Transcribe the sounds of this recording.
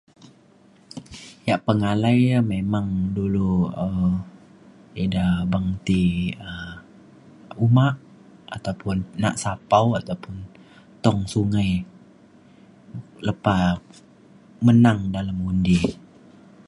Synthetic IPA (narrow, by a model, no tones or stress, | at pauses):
jaʔpəŋalajmemaŋduluə | idabaŋt̪iə | umaʔ | a̰t̪awpʊnːa̰ʔsapawat̪awpʊn | t̪ɔŋsuŋaj | ləpa | mənaŋdalamundi